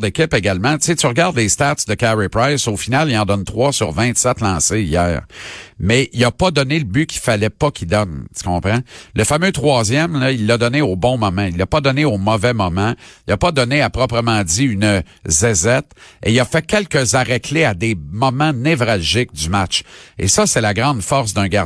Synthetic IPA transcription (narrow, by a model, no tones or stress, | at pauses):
d̪ekʲɪpeɡalmãt͡setsyʁɡaʁd̪lest̪at̪d̪əkaɹipʁajsoːfinalijɑ̃d̪ʌnt̪ʁwɑsyʁvɛ̃t̪sɛt̪lɑ̃seijæ̰ːʁmɛilapʌd̪ɔneləbykʲʰi̥falɛpʌkʲid̪ɔnt̪y̥kɔ̃ːpχãləfamøt̪ʁwɑːzjɛmlʌilːad̪ɔneoːbɔ̃mɔmãilːapʌd̪ɔneomɔvɛmɔmãilapʌd̪ɔneapʁɔpʁəmɑ̃d͡z̪iynə | zɛzɛt̪ḛilafɛkʲɛlkəzaʁɛkʰlead̪emɔmãnɛvʁalʒɪk̚d̪ymat͡ʃḛsʌsɛlaɡʁɑ̃d̪fɔʁsd̪ɛ̃ɡa